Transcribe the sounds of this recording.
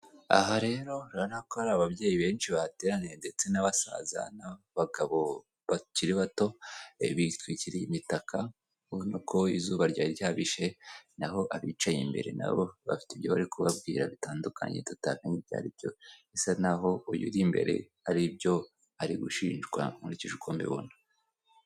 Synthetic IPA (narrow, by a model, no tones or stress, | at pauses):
a̰ɦaɾe̞ɾo̞ɾanakohaɾaβabɟe̞ːjiβe̞ːnʃiβaate̞ːɾanende̞t͡se̞naβasa̰ːza̰na | βaɡaβo̞ | βaciɾiβato̞βitwiciɾiimitakʰa | unukʰo̞izuːβaɾɟaːɾjaβiʃe̞naɦo̞ʔaβiːt͡ʃajimbe̞̰ɾe̞̰na̰βoβa̰fi̥tibɟoβaɾikuβab̚ɡiːɾa̰βitaːndukʰa̰ɲe̞̰tutakenibɟa̰ːɾibjo̞̰esanaɦo̞ujṵɾimbe̞̰ɾe̞̰haɾibjo̞ | aɾiɡuʃiːnʒɡwa̰muɾiciʒukoːmbḭβo̰na